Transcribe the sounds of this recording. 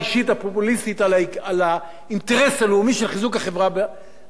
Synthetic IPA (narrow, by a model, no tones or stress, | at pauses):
iʃit̪apopulist̪it̪alaala | inteʁesaleumiʃelχizukaχevʁabe